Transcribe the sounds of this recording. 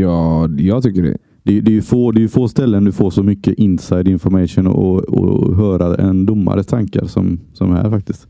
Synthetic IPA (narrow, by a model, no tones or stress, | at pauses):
jɑːjɑːɡt̪ʰʏkːəɖɛ̰ | d̪̥ɛjd̪ɛjɵfoːd̪ɛjɵfoːst̪ɛlːənd̪ɵfoːʂɔmʏkːəʔɪnsajd̪ɪnfɔɾmɛʂʊnɔ̰ɔɔ̰ɦœːɾaɛnd̪ʊmːa̰ɾət̪ʰaŋka̰ɾsɔ̰msɔmhæ̰ːɾfak̚t̪ɪst̪